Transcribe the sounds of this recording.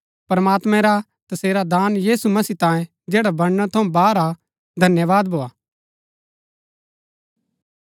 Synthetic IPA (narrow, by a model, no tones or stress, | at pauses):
pɾɐmaːt̪mɛ̃ɾa | t̪ɐseːɾad̪aːnjiːsumɐsiːt̪ãːjẽ | d͡ʒeːɽabɐɽnat̪ʰɐũbaːɾa | d̪ʱɐnjəʋaːd̪bʱoːaː